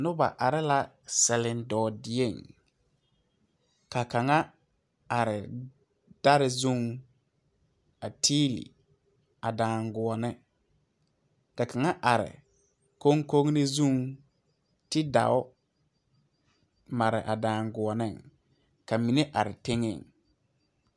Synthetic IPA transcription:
nʊ˦ba̰˨ʔa˨ɾɪ˦la˦ | sɛ˨lɪ˨ndɔː˨dɪ˨e˦˨ŋ | ka˨ka˨ŋa˦ | a˨ɾɪ˨ | d̥a˦ɾɪ˨zu˦ŋ | a˨tʰiː˦lḭ˨ | a˨daː˨ŋɡʊ˨ɔ˨nɪ˦ | ka˨ka˨ŋa˦ʔa˨ɾɪ̰˨ | ko˦ŋko˦ŋnɪ˦zũ˦ŋ | tɪ˦da̰˨ʊ˦ | ma˨ɾɪ̰˨ʔa˨daː˨ŋɡʊ˨ɔ˨nɪ˦˨ŋ | ka˨mi˨ne˦ʔa˨ɾɪ˨te˦ŋḛ˨ŋ

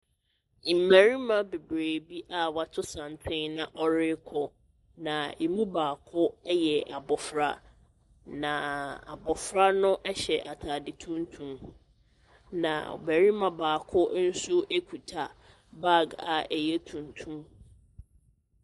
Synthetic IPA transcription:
mæ˨ɾi˦mã˦˨be˨bɾeː˨bi˦ʔa˨wa˨tʰʊ˦sã˨n˨tʰɪ̃˦nã˨ʔɔ˦ɾɪ˦kʰɔ˨ | nã˨e˨mũ˦baː˨kʰʊ˦jɛ˨ʔa˨bɔ˨fɾa̰˦ | nã˨a̰˨bɔ˨fɾa˦nʊ̃˦ʔɛ˦ɕɛ˨ʔa˨tʰa˨dɪ˨tʰũ˦n˦tʰũ˦m | nã̰˨bæ˨ɾi˦mã˨baː˨kʰʊ˦n̩˦sʊ˦ʔe˦kʰu˨tʰa˨ | ba˦˨ɡa̰˨ɛ˨jɛ˦tʰũ˨n˨tʰũ˦m

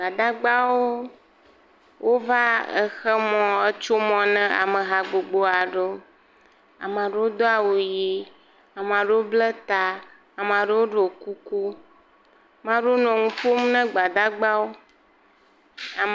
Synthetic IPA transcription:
ɡ͡ba˨d̪a˦ɡ͡ba˦wo˦ | wʔo˦va˦ɛ̰˦˨xɛ˦mɔ̃˨e˦t͡ʃo˦mɔ̃˨nɛ̃˦a̰˨mɛ̃˨ɦa˨ɡ͡bo˨ɡ͡bo˦a˨ɖe˦ | a̰˨m˨ã˨ɖe˦wo˦d̪o˦a˨wo˨ji˦ | a˨m˨ã˨ɖe˦o˦blɛ˦t̪a˨ | a˨m˨a˨ɖe˦wo˦ɖo˨ku˦ku˦ | mã˦ɖo˦nɔ̃˨ŋũ˦ɸo˦m˦nɛ̃˦ɡ͡ba˨d̪a˦ɡ͡ba˦wo˦ | a˨

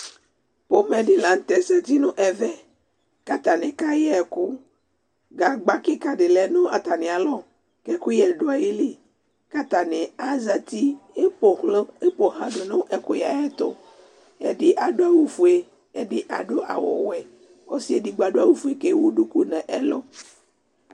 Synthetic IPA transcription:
po˦mẽ˨ɖi˦la˨n̩˦t̪ɛ˨sɛ˦t̪i˦nũ˦ʔɛ˨vɛ˦ | ka˦t̪a˨nɛ˨ka˦jɛ˦ɛ˨ku˦ | ɡa˨ɡ͡ba˦ki˦ka˨ɖe˨lɛ˨nõ˦a˨t̪a˨nẽ˨a˨lɔ˦ | kɛ˦ku˦jɛ˨ɖo˦a˨ji˦li˦ | ka˦t̪a˨nẽ˨a˦za˨t̪i˦e˦pɔ˨hlɔ˦e˦po˨ɦã˨ɖo˨nõ˦ʔɛ˦ko˦ja˨jɛ˦t̪ɔ̰˨ | ḛ˦ɖi˦ʔa˨ɖo˦a˦wu˦fu˨e˦ | e˦di˦ʔa̰˨ɖo˦ʔa̰˨wɔ̰˨wɛ˦ | o˦si˦e˦di˨˦ɡ͡ba˨ɖo˦a˦wu˦fu˦e˦ke˦wu˦ɖu˦ku˦nɛ̃˨ʔɛ˦lɔ˦

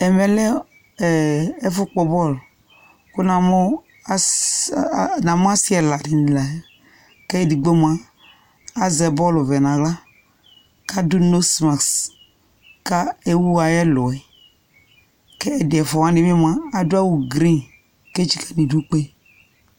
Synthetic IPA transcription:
ɛ˨mɛ˨lɛ˦˨ | ɛ˦fʊ˦k͡pɔ˨bɔ˦˨l | ku˦na˨mo˦ | na˨mu˦a˦si˦ɛ˨la˨di˨n˨la˨˦ | kɛ˦˨di˨ɡ͡be˦m˨aː˦ | zɛ˨bɔ˦˨lu˨vɛ˨nã˨ɣla˦ | ka˦du˦no˦sma˨ks | ka˦e˦wu˦a˨jɛ˦lɔ˨ɛ˨ | kɛ˦ɛ˨dɪ˨ɛ˨fɔ˨wa˦ni˨m˦i˦m˨a˦a˦du˦a˦wu˨ɡɾi˦n | ke˦t͡ʃi˨ka˦ni˨du˦k͡pe˦

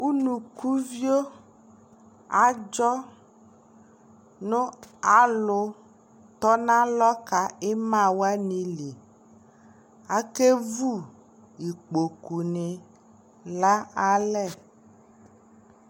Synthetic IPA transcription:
u˦nũ˨ku˦vi˦o˦ | a˨d͡ʒɔ˦ | nõ˦a˨lʊ˨ | t̪ɔ˦nã˦lɔ˦ka˨e˦mã˦˨wo˦a˦nĩ˨li˨ | a˨ke˦vu˦ | ji˨k͡po˨ku˨ne˨ | la˦a˦lɛ˦˨

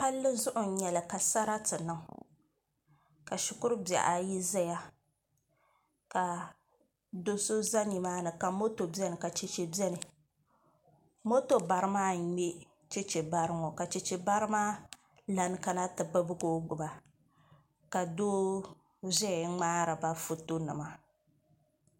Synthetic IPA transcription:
pa˦lːɨ˦zʊ˦ʔʊ˨˦ɲɛ˨la˨ka˨sa˦ɾa˦tɨ˨nɨ˦ŋ | ka˨ʃʊ˨kʊ˦ɾɨ˦ba̰˨ʔa˨ji˦zɛ˦ja˦ | ka˨ | do˦so˦za˦ɲi˨maː˦nɨ˨ka˨mo˦to˨bɛ˦nɨ˨ka˨t͡ʃe˨t͡ʃe˨bjɛ˦nɨ˨ | mo˦to˨ba˨ɾɨ˦maː˦ɲe˦ | t͡ʃe˦t͡ʃe˨ba˦ɾɨ˦ŋɔ˨ka˨t͡ʃe˨t͡ʃe˨ba˦ɾɨ˦maː˦ | la˨n˦ka˦na˦tɨ˨bɨ˦bɨ˦ɡoː˦ɡ͡bʊ˨ba˨ | ka˨do˦ | zɛ˦˨ŋ͡maː˦ɾa˨ba˦fu˨to˦nɨ̰˨ma˦

